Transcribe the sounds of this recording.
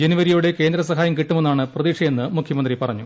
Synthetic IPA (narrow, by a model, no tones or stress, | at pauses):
d͡ʑeniʋɐɾijuːɽe̞ke̞ːnd̪ɾɐsɐɦaːjɐmkiʈːumenːaːɳɨprɐðiːkʂɐje̞nːɨmukʰjɐmɐnd̪ripɐrɐɲːu